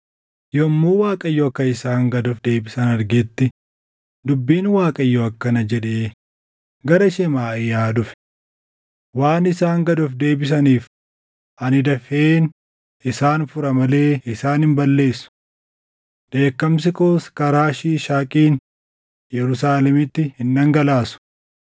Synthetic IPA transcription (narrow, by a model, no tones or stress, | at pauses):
jɔmːuːwaːkʼɐjːɔɐkːɐɪsaːŋɡɐd̪ʊfd̪e̞ːbɪsɐnɐɾɡɛt̪ːɪ | d̪ʊbːiːnwaːkʼɐjːoɐkːɐnɐd͡ʒɛᶑeː | ɡɐɾɐɪʃɛmaːɪjaːd̪ʊfɛ̥ | waːnɪsaːŋɡɐd̪ʊfd̪e̞ːbɪs̬ɐniːf | ɐnɪd̪ɐfeːn | ɪsaːnfʊɾɐmɐle̞ːɪsaːnhɪmbɐlːe̞ːsːʊ̥ | d̪̥e̞ːkːɐms̬ɪkoːskɐɾaːʃiːʃaːkʼiːn | jɛɾʊsaːlɛmɪt̪ːɪhɪnːɐŋɡɐlaːsʊ̥